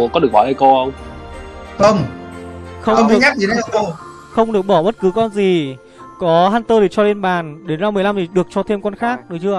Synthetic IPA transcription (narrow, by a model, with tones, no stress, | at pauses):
kɔ˨˦ɗək̚waː˨˦lə˧˩ko˧hə˧wŋ͡m | t̪ə˧ŋ͡m | xə˧wŋ͡mɨ˨˩˦ɲa˦˥i˨˧˦o˧ | xə˧wŋ͡mɗɨ˨˩ək̚ɓɔ˧˩ɓə˦˥t̚kɨ˨˦kɔ˧nzi˨˩ | kɔ˨˦ɦaː˧nt̪əː˧ɗi˨˩t͡ɕɔ˧le˧nɓaː˨˩nɗe˨˦nzaː˧m˨˩əjla˧mt̪ʰi˨˩ɗɨ˨˩ək̚t͡ɕɔ˧t̪ʰe˧mkɔ˧nxaː˦˥k̚ɗɨ˨˦t͡ɕɨ˧ə˧˨